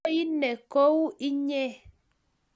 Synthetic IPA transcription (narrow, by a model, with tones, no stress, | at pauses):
ji˦nɛ˨ko˦wu˦i˦ɲɛ˦˨